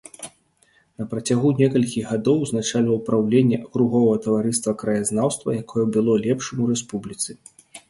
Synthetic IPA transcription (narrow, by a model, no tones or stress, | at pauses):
nɐpɾɐt͡sʲaɣunʲɛkɐlʲkʲiɣɣad̪ɔwznat͡ʂalʲɐwpɾawlʲɛnʲːɛʔɐkɾuɣɔvɐɣɐt̪ɐvaɾɨst̪vɐkɾɐjaznawst̪vɐ̰jakʰɔjɛbʲɨlˠɔlʲɛpʂɨmuɾɛspublʲit̪sɨ